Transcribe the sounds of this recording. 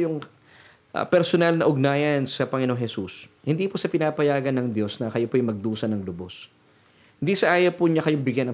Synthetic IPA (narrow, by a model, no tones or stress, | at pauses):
jʊŋ | ʔpɛɾsonalnɐʔʊɡ̚naːjɐnsɐpɐŋɪno̞ŋhɛsushɪnd̪iːpʊsɐpɪnaːpɐjaːɡɐnɐŋd̪jo̞snɐkɐjopoʔɐjmɐɡ̚d̪uːsɐnɐŋlʊbos | hɪnd̪isɐʔaːjopʊɲɐkɐjoŋbɪɡjɐnɐ